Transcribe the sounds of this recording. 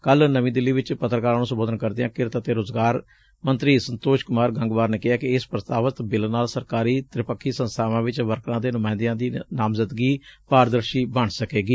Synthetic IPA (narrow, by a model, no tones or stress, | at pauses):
kəlnəʋĩːd̪ɪlːiːʋɪt͡ʃpət̪ɾəkaːɾãːnũːsəmboːd̪ənkəɾd̪ɪjãːkɪɾt̪ət̪eːɾoːzɡaːɾ | mənt̪ɾiːsənt̪oːʃkʊmaːɾɡə̃ŋɡʋaːɾneːkɪaːkɪɪspɾət̪aːʋət̪bɪlnaːlsəɾkaːɾiːt̪ɪɾɪpəkʰːiːsə̃nst̪ʰaːʋãːʋɪt͡ʃʋəɾknãːd̪eːnʊmãːɪ̃nd̪ɪjãːd̪iːnaːmzəd̪ɡiːpaːɾd̪əɾʃiːbəɳsəkeːɡiː